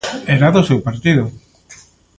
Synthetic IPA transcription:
eɾaðʊsewpaɾt̪ið̞ʊ

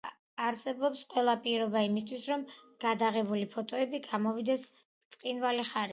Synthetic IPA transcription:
aɾsɛbɔpsqʼwɛlˠapʼiɾɔbaimist̪ʰwisɾɔmɡ̥ad̪aʁɛbulipʰɔt̪ʼɔɛbiɡamɔvid̪ɛs | t̪sʼqʼinvaliχaɾi

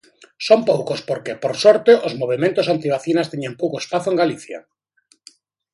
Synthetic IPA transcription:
sompowkospoɾkepoɾsoɾt̪eʔozmoβ̞emẽnt̪osant̪iβ̞aθinast̪eɲempowkoespaθoeŋɡaliθja̰

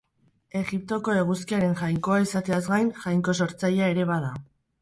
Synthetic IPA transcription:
e̞ɣip̚t̪o̞ko̞e̞ɣ̞uskiaɾe̞nʝajŋko̞aisat̪e̞azɡajnʝajŋko̞so̞ɾt͡sajae̞ɾe̞βaða

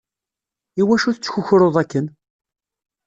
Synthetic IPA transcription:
iwæʃuθt͡sːçuçɾoðˤækːən

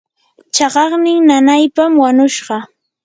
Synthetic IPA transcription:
t͡ʃɑɢɑχnɪŋnanajpamwaɲʊʃɢɑ

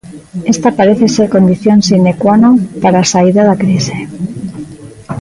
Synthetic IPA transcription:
est̪apaɾeθeseɾkond̪iθjonsinekwanopaɾaːsaiðaðakɾise

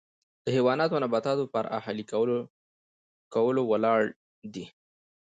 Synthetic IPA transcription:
d̪̥əhewɑnɑt̪onabat̪ɑt̪opaɾʔa̰halik | kawəlowəlɑɽ | d̪i

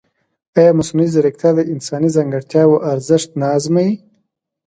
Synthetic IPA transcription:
ajɑːmasnuizaɾikt̪ʰad̪əɪnsɑːnizaŋɡaɽt̪jɑːwoʔaɾzɪʂt̪̚nɑːzmai

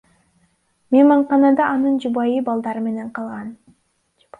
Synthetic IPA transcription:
mʲemɑɴqɑnɑd̪ɑʔːnɯnd͡ʒubɑjɯbɑlˠd̪ɑɾɯme̞ne̞ɴqʰɑlˠʁɑn

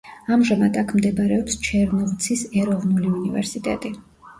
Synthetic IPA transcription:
amʒamad̪akʰmd̪ɛbɾɛɔpst͡ʃʰɛɾnɔvt̪sʰisɛɾɔvnuliunivɛ̰ɾsit̪ʼɛ̰t̪ʼi

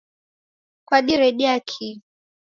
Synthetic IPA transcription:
kwaɗiɾɛɗiakʰi

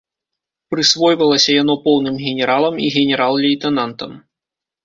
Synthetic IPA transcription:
pɾɨsvɔjvɐlˠɐsʲɐjanɔpɔwnɨmɣʲɛnʲɛɾalˠɐmiɣʲɛnʲɛɾalˠlʲɛjt̪ɛnant̪ɐm

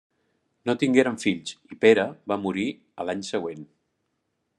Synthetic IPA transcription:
not̪iŋɡeɾəɱfiʎsipeɾəβamuɾi | əlaɲsəɣ̞wen

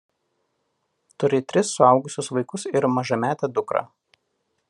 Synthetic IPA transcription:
t̪ʊɾʲɪt̪ʲɾʲɪsːʊɑˑʊɡʊsʲʊsʋɐɪkʊsɪɾmɐʒɐmʲæːt̪ʲɛːd̪ʊkɾɑ̰ː

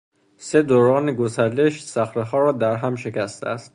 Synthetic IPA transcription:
se̞d̪oɾɒːneɡosæɾleʃsæxɾeɦɒːɾɒːd̪æɾɦæmʃe̞cʲʰæst̪ʰḛæst̪

